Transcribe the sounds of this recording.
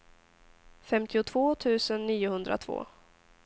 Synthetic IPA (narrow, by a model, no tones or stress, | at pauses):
fɛmt̪ʰɪʊt̪ʰvoːt̪ʰʉ̟ːsənːiːʊhɵnd̪ɾʔa̰t̪ʰv̥o̰ː